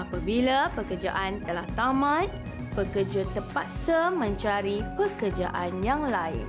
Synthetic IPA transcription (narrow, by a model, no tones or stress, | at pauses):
ʔapabilapəkərd͡ʒaʔant̪əlaht̪amãt̪̚ | pəkərd͡ʒat̪əpat̪̚səmə̃ɲt͡ʃaɾipəkərd͡ʒa̰ʔanjaŋlaɪ̰n